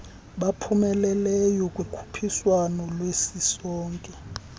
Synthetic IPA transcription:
ɓapʰumɛlɛlɛjɔkʼwikʰu̥pʰiswanɔlwesisɔːŋkʼɛ

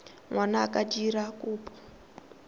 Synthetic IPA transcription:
ŋwanaːkad͡ʒiɾakʼuːpʰʼɔ̥

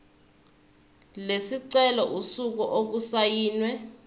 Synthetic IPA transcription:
lesiǀɛlɔʔusuk̬uʔok̬usajiːnwɛ

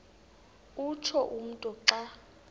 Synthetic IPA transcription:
ut͡ʃʰɔʔum̩tʼɔǀa

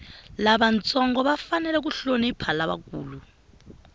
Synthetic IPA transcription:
laɓant͡sʼɔŋɡɔβafanɛlɛk̬uɬoniipʰalaβa̰kʼuːlu

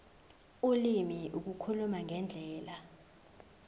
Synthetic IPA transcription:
ulimiʔuk̬ukʰulumaŋʱɛnd͡ɮʱɛːla

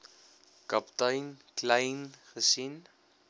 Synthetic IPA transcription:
kɐptɐjnkləjnχəsin

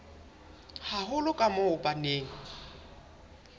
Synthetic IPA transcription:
haɦʊlʊkʼamʊʊpʼaneːŋ̩

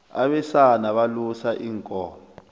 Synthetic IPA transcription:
aɓɛsanaɓalusaʔiːŋkʼɔːm | ɔ

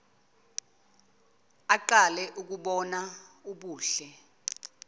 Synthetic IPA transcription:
aǃalɛʔuk̬uɓɔnauɓuːɬɛ

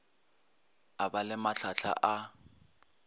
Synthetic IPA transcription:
abalɪmaɬʰaɬʰa̰ʔa

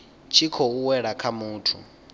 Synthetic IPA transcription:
t͡ʃʰikʰɔuwɛɺakʰamuːtʰṵ

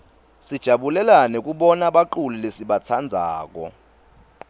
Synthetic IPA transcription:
sid̥ʒ̥ʱaɓulɛlanɛk̬ʼuɓɔnaɓaǃulilesiɓat͡sʰand͡zʱaːk̬ɔ̰

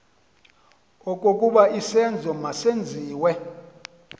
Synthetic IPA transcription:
okʼokʼuɓaisɛnd͡zʱɔmasend͡zʱiːwɛ

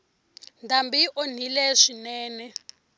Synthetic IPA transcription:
ndambiʔon̤ilɛʂinɛːnɛ

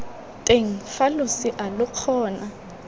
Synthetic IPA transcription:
tʼeŋ̩falʊsiʔalʊq͡χʰɔːna

